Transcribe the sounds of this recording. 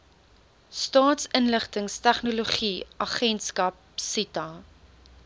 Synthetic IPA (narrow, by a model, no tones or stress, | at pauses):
stɑːtsənləχtəŋstæχnoloχiʔɐχɛnskɐp̚sitɐ